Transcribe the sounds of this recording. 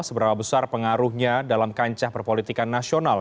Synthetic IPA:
səbəɾapabəsarpəŋaɾuhɲadalamkaɲt͡ʃahpərpolit̪ikanːasional

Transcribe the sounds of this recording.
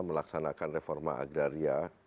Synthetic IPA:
məlaksanakanrefɔrma̰ʔa̰ɡɾaɾia

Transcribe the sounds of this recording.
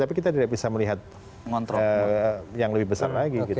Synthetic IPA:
t̪apikit̪adidaʔbisaməliɦat̪̚ | ŋɔnt̪ɾəjaŋləbɪhbəsa̰rlaɡiɡit̪

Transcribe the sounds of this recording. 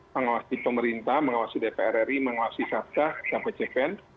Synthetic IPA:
məŋawasipəməɾint̪ahməŋawasidepeɛɾɛɾiməŋawasisap̚t̪akapet͡ʃepɛn

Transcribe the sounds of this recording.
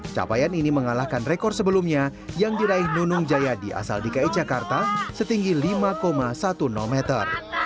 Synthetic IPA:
t͡ʃa̰pajaniniməŋalahkanrekɔrsəbəlumɲajaŋdiɾaɪhnunʊŋd͡ʒajadiʔa̰sa̰ldikait̪̚d͡ʒakart̪asət̪iŋɡilimakomasat̪unɔ̰lmɛt̪ə̰r

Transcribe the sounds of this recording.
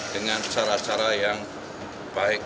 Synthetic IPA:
d̥əŋant͡ʃaɾat͡ʃaɾajaŋ | b̥aɪk̚

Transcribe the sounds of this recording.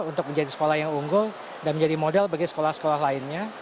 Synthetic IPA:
unt̪ʊk̚məɲd͡ʒadisə̥kolahjaŋuŋɡʊl | danməɲd͡ʒadimodɛlbaɡisə̥kolahsə̥kolahlaɪnɲa

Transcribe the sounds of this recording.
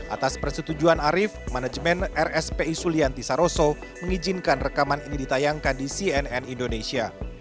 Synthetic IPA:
ʔa̰t̪aspərsət̪ud͡ʒuanaɾɪfmanad͡ʒmɛnɛrɛspeisuliant̪isaɾoso | məŋid͡ʒinkanrəkamaninidit̪ajaŋkandisiɛnɛnindonesia

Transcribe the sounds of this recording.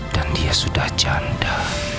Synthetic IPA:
d̥andiasudahd͡ʒanda

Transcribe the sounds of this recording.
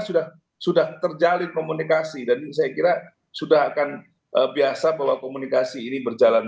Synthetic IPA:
sudah | sudaht̪ərd͡ʒalɪnkomunikasidans̬ajakiɾa | sudaɦakan | ʔəbiasabaɦwakomunikasiːnibərd͡ʒalan

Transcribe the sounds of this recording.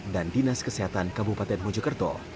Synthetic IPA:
dandinaskəseɦat̪ankabupat̪ɛnmɔd͡ʒɔkərt̪ɔ

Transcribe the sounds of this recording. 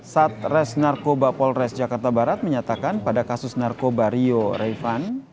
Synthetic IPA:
sat̪̚rɛsnarkobapɔlrɛsd͡ʒakart̪abaɾat̪̚məɲat̪akanpadakasʊsnarkobaɾioɾɛfan

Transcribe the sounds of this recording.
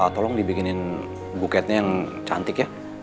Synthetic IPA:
at̪ɔlɔŋdibikɪnɪn | bukɛt̪̚ɲajaŋt͡ʃa̰nt̪ɪkja

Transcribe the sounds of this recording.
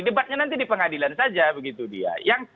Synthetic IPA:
idəbat̪̚ɲanant̪idipəŋadilansad͡ʒabəɡit̪udḭa̰jaŋ

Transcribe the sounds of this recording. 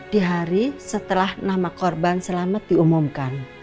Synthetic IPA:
d̥iɦaɾisət̪əlahnamakɔrbansəlamat̪̚d̥iumumkan

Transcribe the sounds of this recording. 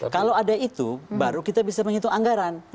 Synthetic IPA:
kalawadait̪ubaɾukit̪abisaməŋit̪uaŋɡaɾan

